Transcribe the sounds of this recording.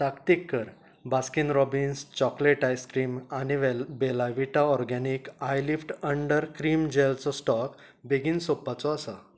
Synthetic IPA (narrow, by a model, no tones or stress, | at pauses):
t̪akt̪ikːəɾ | baskinɾɔbinst͡ɕɔkleʈajskɾiːmañiʋbelaʋiʈaɔɾɡanikajlifʈəɳɖəɾkɾiːmd͡ʑelt͡sɔsʈɔk | beɡiːnsopːat͡sɔəsə